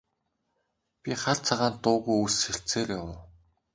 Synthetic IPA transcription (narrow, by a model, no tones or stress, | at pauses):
pʲiχaɮt͡sʰaʁaːnt̪ʊːɣujusxĕɬt͡seːrjawʊː